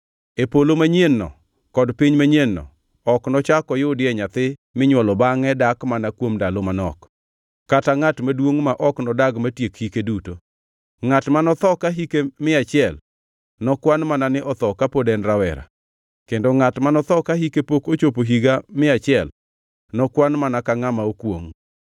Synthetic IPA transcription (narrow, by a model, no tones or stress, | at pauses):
epolomaɲenːɔ̰ | kɔdpiɲmaɲenːɔ̰ | ɔknɔt͡ʃakɔjʊdɪɛɲat̪ɪmɪɲwɔlɔbaŋɛdakmanakwomdalomanɔ̰kː | ataŋatmadwoŋmaʔɔknɔdaɡmatjekhikeduto | ŋatmanɔt̪ɔkaɦikemɪat͡ʃɪɛl | nɔkwanmananɪʔɔt̪ɔkapodɛnɾawɛ̰ɾa̰ | kendoŋatmanɔt̪ɔkahikepokot͡ʃopoɦiɡamɪat͡ʃɪɛl | nɔkwanmanakaŋamaokwoŋ